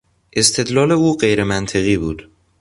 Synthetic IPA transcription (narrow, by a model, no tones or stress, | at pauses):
ʔe̞st̪ʰe̞d̪lɒːle̞uːɢejɾemænt̪ʰe̞ɣiːbuːd̪̥